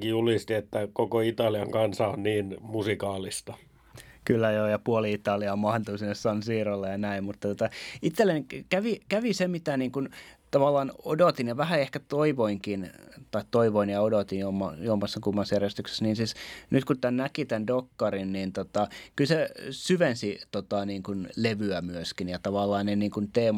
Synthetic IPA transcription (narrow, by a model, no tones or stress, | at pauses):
kijulist̪iet̪ːækokoit̪ɑliɑŋkɑnsɑonniːnmusikɑːlist̪ɑ | kylːæjoːjɑpuoliit̪ɑliɑmɑhnt̪usinːessɑnsiːrolːejɑnæimmut̪ːɑt̪ŏt̪ɑit̪selːenikæʋikæʋisemit̪æniːŋkunt̪ɑʋɑlːɑːno̰dot̪injɑʋæhæehkæt̪oiʋoiŋkint̪ɑitt̪oiʋoinjɑodot̪injoomːɑjuomːɑsːɑkumːɑsjærjest̪ykse̥sniːnsisnyt̪kut̪ænækit̪ændokːɑrinniːnt̪ot̪ɑkylsesyʋensit̪ot̪ɑniːŋkunleʋyæmyøskinjɑt̪ɑʋɑlːɑːneniːŋkunt̪eːm